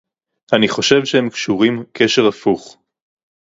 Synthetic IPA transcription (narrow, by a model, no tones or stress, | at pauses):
ʔaniχo̞ʃe̞vʃehemkʃuʁimkʰeʃeʁafuχ